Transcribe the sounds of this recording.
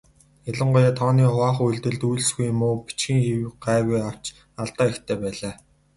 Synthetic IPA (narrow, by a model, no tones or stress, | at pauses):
aɮə̆ɴɢʊjaːt̪ʰɔːniːχʊaːχuɮt̪ɘ̆ɮt̪ujɮ̆sɡujmʊːpi̥t͡ɕxĭːŋxiwk̚ɢæːɣujaw̥t͡ɕ | aɮt̪aːixt̪ʰeːpæːɮaː